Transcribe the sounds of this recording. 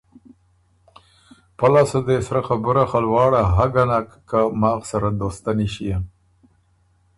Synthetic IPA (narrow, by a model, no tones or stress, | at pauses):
palasad̪esɾaxabəɾaxalwɑːɽaɦaɡanakːamɑːɣsaɾad̪ost̪aniʃija